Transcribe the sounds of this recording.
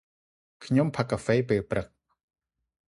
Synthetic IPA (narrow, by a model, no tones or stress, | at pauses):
kʰɲompʰakːafeːpeːlprək̚